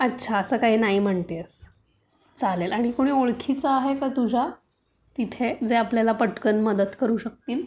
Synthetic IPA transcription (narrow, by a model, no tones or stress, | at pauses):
ətːɕʰaəsəːkaɦiːnaɦiːm̤əɳt̪es | t͡salelaɽ̃ikoɽ̃iːoɭkʰit͡səaɦekət̪ud͡ʑʱa | t̪it̪ʰed͡zeapljalapəʈkənməd̪əd̪kəɾuːɕək̚t̪iːl